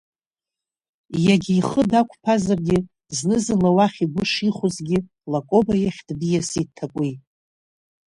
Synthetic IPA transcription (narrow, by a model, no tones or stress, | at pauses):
jaɡʲiːχədakʷʰpʰazarɡʲɪ | znɨzɨnlawaχʲiɡʷʊʂiχʷʊzɡʲɪ | lakʷʼo̞bajaχʲd̥bijasitʰakʷʼi